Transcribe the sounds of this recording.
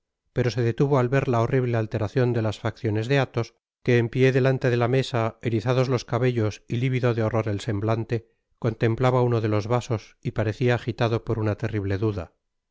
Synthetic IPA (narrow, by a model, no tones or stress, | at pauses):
pe̞ɾo̞se̞ðe̞t̪uβo̞alβe̞ɾlao̞riβ̞le̞alt̪e̞ɾaθjo̞nd̪e̞lasfakθjo̞ne̞zðe̞at̪o̞s | ke̞ːmpje̞ðe̞lant̪e̞ðe̞lame̞sae̞ɾiθaðo̞zlo̞skaβe̞ʎo̞siliβiðo̞ðeo̞ro̞ɾe̞lse̞mblant̪e̞ | ko̞nt̪e̞mplaβaunoðe̞lo̞zβaso̞sipaɾe̞θiaːxit̪aðo̞po̞ɾunat̪e̞riβle̞ðuða̰